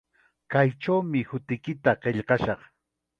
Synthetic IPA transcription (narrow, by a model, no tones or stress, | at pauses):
kajʈ͡ʂawmɪhʊt̪ɪkɪt̪aɢeʎɢɑʃɑχ